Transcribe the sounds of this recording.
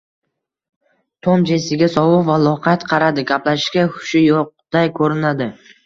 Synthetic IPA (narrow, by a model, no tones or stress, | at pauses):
t̪ʰomd͡ʒesɪɡʲasɒwʊqvalˠɒqʰɑt̪qʰɑɾad̪ɪɡʲaplaʃɪ̥ʃkʲakʊ̥ʃɪjoq̚d̪̥ajkʰɵɾɪnad̪ɪ